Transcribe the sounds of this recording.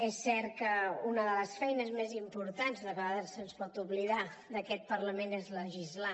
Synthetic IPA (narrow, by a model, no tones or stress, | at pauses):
ɛsːɛɾt̪kəunəðələsfɛjnəzmezimpuɾt̪anzðəkəaðəɾsənspɔt̪uβliða | d̪əkɛt̪̚pəɾləmenezləʒizla